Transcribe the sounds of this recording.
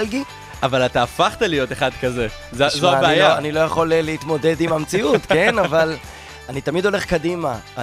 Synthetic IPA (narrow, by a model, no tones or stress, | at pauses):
lɡi | avalat̪aːfaχt̪alijo̞teχad̪kaze | zzoabeaijaoanilo̞jaχo̞lleit̪mo̞de̞dimamt͡siutke̞naval | anit̪amid̪o̞le̞χkadimaʔ